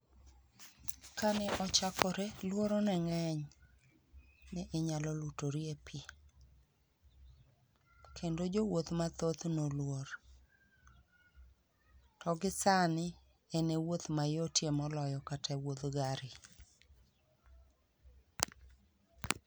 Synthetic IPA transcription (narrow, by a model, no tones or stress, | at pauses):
kanɛʔɔt͡ʃakʰɔɾelwoɾɔnɛŋɛɲ | nɛʔːɲalɔlutoɾiepʰi | kʰendod͡ʒowot̪mat̪ot̪nolwoɾ | tɔɡɪsanɪ | enewot̪majotjemɔlɔjɔkatʰɛwot̪ɡaɾɪ